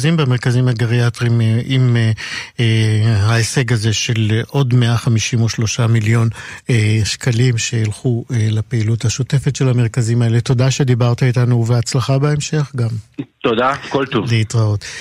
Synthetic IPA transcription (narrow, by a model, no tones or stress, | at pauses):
zimbemeʁkazimhaɡaʁiatʁimʔim | aese̞ɡaze̞ʃe̞lʔo̞dmeaχamiʃimoʃlo̞ʃamiljo̞neʃkalimʃeilχuelepeiluthaʃote̞fetʃelame̞ʁ̞kazimae̞leto̞daʃe̞d̪ibaʁt̪aitanuveat͡slaχabeemʃe̞χɡamt̪od̪akolt̪uvleitʁaot